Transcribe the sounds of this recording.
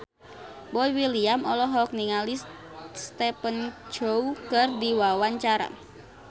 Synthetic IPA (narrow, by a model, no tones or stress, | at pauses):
bɔiwiliamɔlɔɦɔk̚niŋalis | st̪ɛpənd͡ʒ̥oukərdiwawaɲt͡ʃaɾa̰